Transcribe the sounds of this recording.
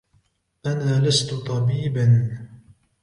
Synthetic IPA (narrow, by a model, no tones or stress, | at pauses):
ʔanaːlast̪ʊt̪ˤɑbiːban